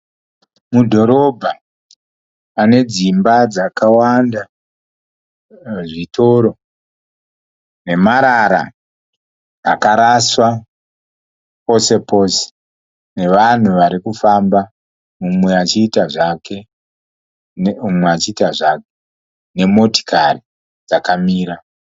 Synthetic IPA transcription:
mudʱo̞ɾo̞bʱa | ane̞d͡zimbad͡zakawanda | ʐito̞ɾo̞ | ne̞maɾaɾa̰ | kaɾaswa | po̞se̞po̞ːse̥ | ne̞ʋan̤uʋaɾikufamba | umwe̞at͡ʃiːtaʐakʰe̞ | numweat͡ʃiːtaʐake | ne̞mo̞ti̥kʰari | d͡zakamiːɾa

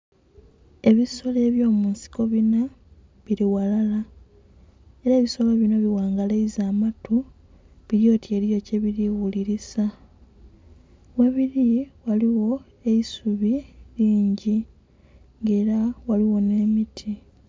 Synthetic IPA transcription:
e̞βiso̞le̞ːβjo̞ːmuːnsi̥ko̞βina | βiɾiwalala | e̞ɾaβiso̞lo̞βino̞βiwaːŋɡaleizaːmatu | βiɾjo̞ːtje̞ɾijo̞ce̞βiɾiwuliɾisa | we̞βiɾiwaliwo̞ | e̞isuβiɾiːɲɟi | ŋɡe̞ːɾawaliwo̞ne̞ːmitʰi

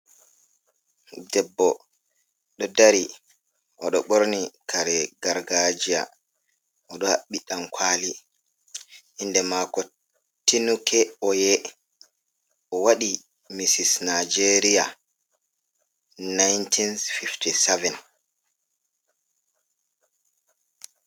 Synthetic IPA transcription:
dɛbːɔ | ɗɔdaɾi | ʔɔɗɔɓoɾnikʰaɾɛɡaɾɡad͡ʒia̰ | ʔɔɗɔhaɓːiɗamkʰwali | ʔːndɛmakɔ | tːinukʰɛɔjɛ | ʔɔwaɗi | misisnad͡ʒeɾija̰ | najntʰinfiftisɛvɛn

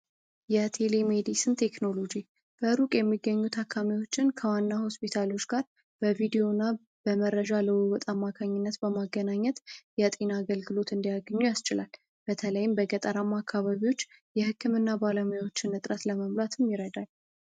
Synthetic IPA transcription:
jɛt̪ʰe̞lemed̪isɨnt̪ʰe̞kno̞lo̞d͡ʒi | b̥əɾukʼjɛmːiɡːəɲːut̪ʰakʰːamiwo̞t͡ʃːɪnkʰəwanːaho̞spit̪ʰalo̞t͡ʃːɡ̥aɾ | b̥əvid̪ijo̞nːa | b̥əməɾəd͡ʒaləwuwɔt̪ʼamːakʰaɲːɪnːət̪bəmaɡːənaɲːət̪jɛt̪ʼinaːɡəlɡɨlo̞t̪ɨnd̪ijaɡəɲːujast͡ʃɪlal | b̥ət̪ʰələjɪmbəɡət̪ʼəɾamakʰːaβaβiwo̞t͡ʃːjɛhɨkʰːɨmɨnːabaləmujawo̞t͡ʃːɪnɨt̪ʼɾət̪ləməmlat̪ʰɨmjɪɾəd̪al

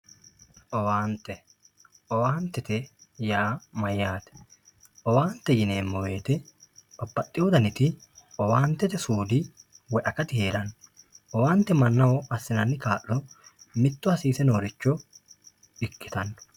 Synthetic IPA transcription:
ʔɔwaːnt̪ːɛ | ʔɔwaːnt̪ːɛt̪ɛjaːmɐjːaːt̪ɛ̥ | ʔɔwaːnt̪ːɛjɪneːmːɔwe̞ːt̪ɛɔbːɐt̪ʼːɪjɔd̪ɐnɪt̪ɪʔɔwaːnt̪ːɛt̪ɛsuːd̪ɪwɛʔɐkɐt̪ɪheːɾɐnʔɔwaːnt̪ːɛmɐnːɐwɔɐsːɪnɐnːɪkaːʔːɔmɪt̪ːʊhɐsiːsɛnoːɾɪt͡ʃːɔ | ɪkːɪ̥t̪ɐnːɔ̥

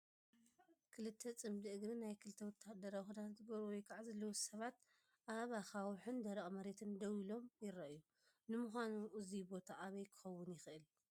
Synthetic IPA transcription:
kʰɨlɨt̪ʰːɐt͡sʼɨmd̪iɨɡɾinajkʰɨlɨt̪ʰːɐwɔt̪ːahd̪ɐɾawxud̪at̪at̪ɡɐɾuwɔjkʰaʕzɐlːɐwsɐβat̪ | ʔaβaxawħɨnd̪ɐɾɐʔʼmɐɾe̞t̪ʰɨnd̪ɐwilo̞mjɪɾɐʔju | nɨmuxʷanuʔɨzibo̞t̪ʰaʔaβɐjkʰɨ̥xɐwːʊnjɪxɨʔɨl

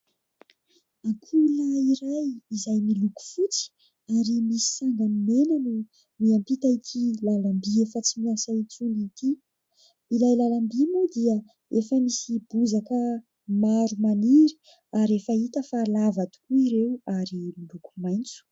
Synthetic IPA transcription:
akʰuləiɾajizajmiluku̥fut͡si̥ | aɾimisi̥saŋɡanimenanu | miampit̪aik̪ʰilalambiefət͡simiasait͡sunit̪i | ilajlalambimud̪iə | efəmisibuzakə | maɾumaniɾi̥ | aɾefəit̪əfalavad̪i̥kuiɾewaɾimiluku̥majnt͡su̥

